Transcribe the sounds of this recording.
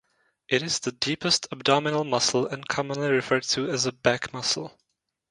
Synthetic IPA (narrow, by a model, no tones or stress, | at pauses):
ʔɪɾɨzðɨdipɨstʰəb̚dɑmɨnl̩ˠmʌsl̩ˠɨ̃nkʰɑmə̃nliɹɨfɜ˞tʰɨɨzəbækmʌsl̩ˠ